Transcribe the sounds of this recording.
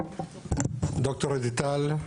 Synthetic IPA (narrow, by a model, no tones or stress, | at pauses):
d̪ɔk̚t̪ɔɾed̪it̪al